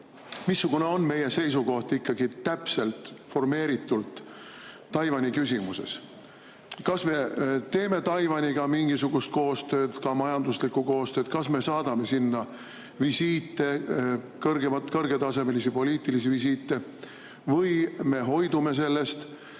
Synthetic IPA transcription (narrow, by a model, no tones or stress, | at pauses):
misːuɡ̥une̞o̞nme̞je̞se̞jsuko̞ht̪ikːɑɡ̥it̪æpse̞lt̪ˑfo̞rme̞ːɾit̪ːˑult̪ː | ɑjvɑnʲikysʲimuse̞̰s | kɑsme̞t̪e̞ːme̞t̪ɑjvɑnʲiɡ̥ɑmiŋɡ̥isuɡ̥ust̪̚ko̞ːst̪ø̞ːd̪kɑmɑjɑnd̪̥uslikˑuko̞ːst̪ø̞ːt̪kɑsme̞sɑːd̪̥ɑme̞sinːɑ | visiːt̪ːe̞ | kɤrɡ̥emɑt̪kɤrɡ̥e̞t̪ɑse̞melisipo̞liːt̪ilisivis̬iːt̪ːe̞ | vɤjme̞ɦo̞jd̪ume̞se̞lːe̞st̪